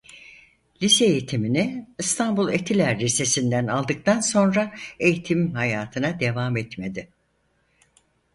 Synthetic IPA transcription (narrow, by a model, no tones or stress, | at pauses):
lʲiseːjit̪ʰiminɪɯst̪ʰanbulˠet̪ʰilʲæɾlʲise̞sind̪ænalˠd̪ɯk̚t̪ʰanso̞nɾae̞jit̪ʰimhajaːt̪ʰɯnad̪e̞vamɛt̪me̞d̪ɪ